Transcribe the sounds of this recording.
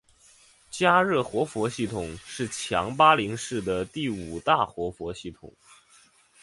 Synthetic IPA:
t͡ɕja˥ɻɤ˥˩xwɔ˧˥fwɔ˧˥ɕi˥˩t̪ʰʊ˨˩ŋʂɻ̩˥˩t͡ɕʰjɑ̰˧˥ŋpa˥li˧˥ŋʂɻ̩˥˩d̪ə˩t̪i˥˩u˨˩t̪a˥˩xwɔ˧˥fwɔ˧˥ɕi˥˩t̪ʰʊ̰˨˩˦ŋ

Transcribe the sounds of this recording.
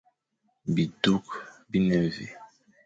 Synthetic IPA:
bi˨du˦kbi˦nɛ˦vḭ˨

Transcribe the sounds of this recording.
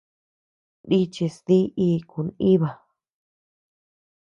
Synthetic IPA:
di˦t͡ʃi˧sði˦iː˧˦˧ku˨˧ni˦βa˨

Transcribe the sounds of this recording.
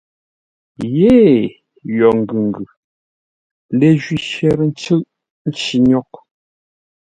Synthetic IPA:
je˦ | jɔ˨ŋ̩˨ɡʉ˨ŋ̩˨ɡʉ˨ | le˨ʒwi˨ʃɛ˦ɾn̩˦t͡ʃə˦ʔ | n̩˦t͡ʃi˨ɲɔ˦k̚

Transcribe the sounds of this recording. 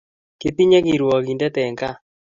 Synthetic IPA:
ke˦t̪i˦ɲɛ˦ɡi˨ɾwɔ˨ki˨ndɛ˦t̪ɛ˨ŋɡa˦

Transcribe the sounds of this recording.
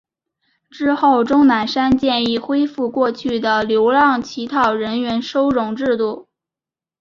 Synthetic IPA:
ʈ͡ʂɻ̩˥xo˥˩ʊʈ͡ʂʊ˥ŋna˧˥nʂa˥nt͡ɕjɛ˥˧ni˥˩xwe˥ɪfu˥˧kwɔ˥˧t͡ɕʰy˥˩d̪ə˩ljo˧˥ʊlɑ˥˩ŋt͡ɕʰi˧˥t̪ʰɑ˨˩ʊɻə˧˥nɥɛ˧˥nʂo˥ʊɻʊ˧˥ŋʈ͡ʂɻ̩˥˧t̪u˥˩

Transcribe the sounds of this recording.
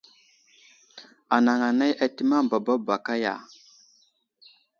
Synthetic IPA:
a˨na˨ŋa˨na˦jʔa˦ti˦ma˦m˨ba˨ba˦ba˨ka˦ja̰˨

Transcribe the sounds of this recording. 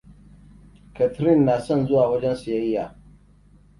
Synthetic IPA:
ka˨tʰɾi˦˨nːa˨sɐ˦˨nzʊ˦wa˨wa˦d͡ʒɛ˦nsi˨ja˦i˦ja˨

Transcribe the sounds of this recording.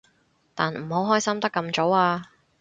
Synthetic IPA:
t̪aː˨nm̩˨˩ho˨˥wɦɔː˥jsɐ˥mt̪ɐ˥kːɐ˧mt͡so˨˥waː˧

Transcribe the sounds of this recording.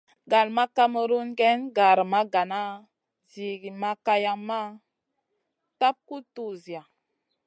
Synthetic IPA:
ɡa˨lma˦ka˦mə˦ɾu˦nɡe˦nɡa˨ɾma˦ɡa˨na˦ | zi˨ɡi˨ma˦ka˦ja˦ŋma˦ | ta˦p̚ku˦tu˦zi˨a˨

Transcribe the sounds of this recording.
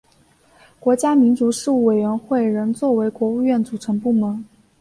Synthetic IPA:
kwɔ˧˥t͡ɕja˥mi˧˥nt͡su˧˥ʂɻ̩˥˧u˥˩we˨˩ɪɥɛ˧˥nxwe˥˩ɪɻə˧˥nt͡swɔ˥˩we˧˥ɪkwɔ˧˥u˥˧ɥɛ˥˩nt͡su˨˩ʈ͡ʂʰɤ˧˥ŋpu˥˩mə˧˥n

